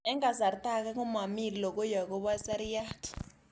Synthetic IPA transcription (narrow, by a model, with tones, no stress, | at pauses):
ɛ˦ŋa˨za˨ri˨tʼa˦k̬a˦k̬u˦ma˨mi˨li˨lɔ˨k̬ɔ˦ja˨k̬ɔ˦ɓa˦sɛ˦ɾi˦ja˦tʰi̥